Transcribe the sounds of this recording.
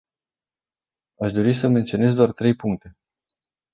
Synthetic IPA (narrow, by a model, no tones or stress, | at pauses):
aʃd̪o̞ɾisəment̪sio̞ne̞zd̪oart̪ɾe̞jpuŋk̚t̪e̞